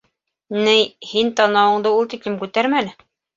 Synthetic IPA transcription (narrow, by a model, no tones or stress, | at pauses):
nɘjhint̪ɑnɑwɤ̆ɴd̪ɤulˠt̪iklɘmkʉt̪æɾmænɘ